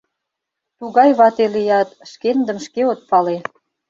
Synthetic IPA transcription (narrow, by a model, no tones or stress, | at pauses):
t̪uɣɑjβɑt̪elijɑt̪ʃkend̪ə̆mʃkeot̪̚pɑle